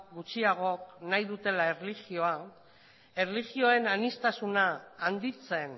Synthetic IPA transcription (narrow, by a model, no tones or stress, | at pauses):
ɡut͡siaɣ̞o̞knajðut̪e̞laerliɣio̞a | e̞rliɣio̞e̞nanist̪asunaːnd̪it͡se̞n